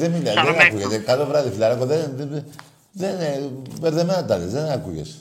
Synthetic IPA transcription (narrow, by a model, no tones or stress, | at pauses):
ðemileðenakuʝet̪ekat̪ovɾaðifilɐɾɐkoðen | ðenpeɾðemenat̪ɐðizðenakuʝḛs